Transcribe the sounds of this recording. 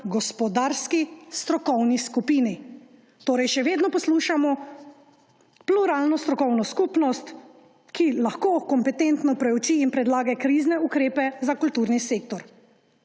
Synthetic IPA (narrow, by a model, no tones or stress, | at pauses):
ɡɔspɔd̪aːɾskist̪ɾɔkɔwniskupiːni | t̪oːɾɛjʃɛʋeːd̪nɔpɔsluːʃamɔ | pluɾaːlnɔst̪ɾɔkɔwnɔskupnɔst̪ | kilaxkoːkɔmpɛt̪ent̪nɔpɾɛut͡ʃiːnpɾɛd̪laːɡɛkɾiznɛukɾeːpɛzakult̪uːɾniseːk̚t̪ɔɾ